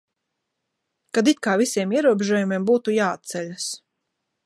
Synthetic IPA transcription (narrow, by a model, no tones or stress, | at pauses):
kad̪it̪̚kaːvisʲiɛmiɛɾuɔbʲeʒuɔjumiɛmbuːt̪ujaːat̪̚sɛlʲas